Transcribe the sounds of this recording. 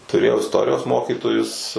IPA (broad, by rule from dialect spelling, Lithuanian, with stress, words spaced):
tʊˈrʲeːjɛʊ ɪsˈtoːrʲɪjoːs ˈmoːkʲiːtoːjʊs